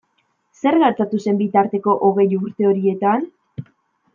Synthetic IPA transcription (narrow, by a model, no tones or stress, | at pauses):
se̞ɾɣeɾt͡s̪at̪use̞mbit̪aɾt̪e̞ko̞ʔoɣ̞e̞juɾt̪e̞o̞ɾie̞t̪an